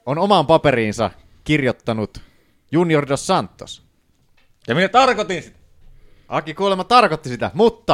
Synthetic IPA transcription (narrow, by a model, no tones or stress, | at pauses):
onomɑmpɑperiːnsɑ̰ | kirjot̪ːɑnut̪ | juniordossɑnt̪ːo̰s | jɑminæt̪ɑrkot̪insit̪ææ | ʔɑkikuolemɑt̪ɑrkot̪ːisit̪æ̰mut̪ːɑ